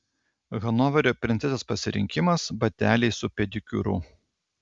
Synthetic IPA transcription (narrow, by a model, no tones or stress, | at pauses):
ɣɐnɔʋɐɾʲopʲɾʲɪnt̪ʲɛzʲɛspɐsʲɪɾʲɪ̰ŋʲkʲɪmɐsbɐt̪ʲæːlʲɛɪsʊpʲɛd̪ʲɪkʲʊ̰ɾʊ̰